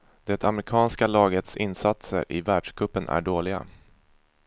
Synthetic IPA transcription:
d̪̥ɛt̪ʰamɾɪkʰɑːnskalɑːɡət̪sɪnːsat̪sə̰ɾʔɪvæːɖʂkʰɵpːənʔæ̰ɖoːlɪɡa̰

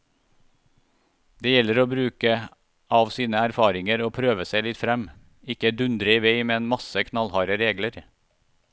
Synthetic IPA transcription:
d̪̥eːjɛləɾoːbɾʉːkə | ʔɑːʋsiːnəæɾfɑːɾɪŋəɾoːpʰɾøːʋəsæɪlɪt̪fɾɛm | ɪkːəd̪ʉnd̪ɾəiːʋeɪmeːnmɑsəkʰnɑlhɑːɾəɾeːɡləɾ

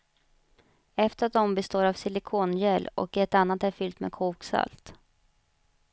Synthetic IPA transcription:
ɛft̪əɾat̪̚d̪ɔmbɛst̪oːɾavsɪlɪkʰoːnjɛlɔ̰kɛt̪anːat̪æɾfʏlt̪mḛkʰuːksa̰lt̪

